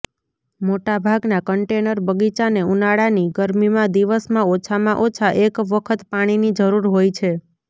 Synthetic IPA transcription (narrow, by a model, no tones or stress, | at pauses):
moʈabʱaɡnakəɳʈenəɾbəɡit͡ʃaneunaɽaniɡəɾmimãd̪iʋəsmãot͡ʃʰamãʔot͡ʃʰaʔekʋəkʰət̪paɽ̃inid͡ʒəɾuɾɦojt͡ʃʰe